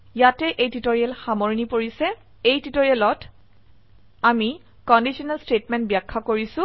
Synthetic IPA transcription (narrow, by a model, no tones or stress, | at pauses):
jatɛʔejtitoɹiɛlxamoɹinipoɹisɛ | ejtitoɹijɛlɔt | ami | kɔndisiɔnalstetmɛnt̚bijakʰːakoɹisʊ̃